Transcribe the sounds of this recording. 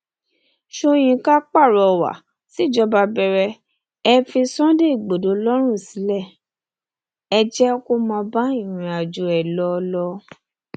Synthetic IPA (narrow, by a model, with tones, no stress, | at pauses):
ʃo˧j̃ĩ˧ka˦k͡pa˦˨ɾɔ˨wa̰˨ | si˦˨d͡ʒɔ˧˦ba˧bɛ˧ɾɛ˧ | ɛ˧fi˧sɔ̃˦de˦i˦˨ɡ͡bo˨do˨˦lɔ˦ɾ̃ũ˦˨si˨˦lɛ˦˨ | ɛ˧d͡ʒɛ˦ko˦˨mã˧ba˦i˦˨ɾ̃ĩ˧a˨d͡ʒu˨ɛ˨lɔ˦˧lɔ˦